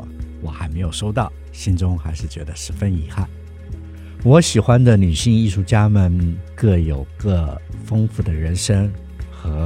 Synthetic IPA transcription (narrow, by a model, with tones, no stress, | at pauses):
wɔ˨˩xa˧˥ɪme˧˥ɪjo˨˩ʊʂo˥ʊt̪ɑ˥˩ʊ | ɕi˥nʈ͡ʂʊ˥ŋxa˧˥ɪʂɻ̩˥˩t͡ɕɥɛ̰˧˥d̪ə˧ʂɻ̩˧˥fə˥ni˧˥xa˥˩n | wɔ˧˥ɕi˨˩xwa˥nd̪ə˨ny˨˩ɕi˥˧ŋi˥˧ʂu˥˩t͡ɕja˥mə˨nkɤ˥˩jo˨˩ʊkɤ˥˩fɤ˥ŋfu˥˩d̪ə˩ɻə˧˥nʂɤ˥ŋ | xɤ˧˥